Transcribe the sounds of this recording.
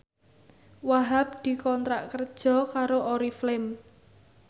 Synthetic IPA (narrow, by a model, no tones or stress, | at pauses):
waɦap̚d̪̥i̤kɔnt̪ɾa̰ʔkərd̥ʒ̥ɔ̤kaɾoʔoɾiflɪm